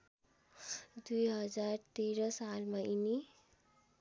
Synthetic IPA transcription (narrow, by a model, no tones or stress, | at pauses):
d̪iɦəd͡zaɾt̪eɾəsalməini